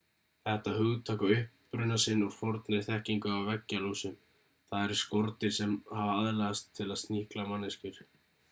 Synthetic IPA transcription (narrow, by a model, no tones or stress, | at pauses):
θɛht̪aɦʏɣt̪ʰaːkaʏhpːɾʏnasɪnːɔɣfɔɾt̪nɪɾ̥θɛhciŋkʏawvɛcːalusʏm | θaðɛɾ̥skɔɾt̪ɪɾ̥sɛmhavaaðlɛɣast̪ʰːɪlaðst̪nihklamanːɪscɪɾ̥